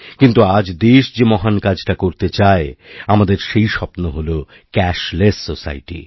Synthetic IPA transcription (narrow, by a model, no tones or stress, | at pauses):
kint̪uad͡ʑd̪eʃd͡ʑemɔɦankad͡ʑʈakoɾt̪et͡ɕaeamad̪eɾʃejʃɔpnoɦolo | kɛʃlesːosa̰jʈḭ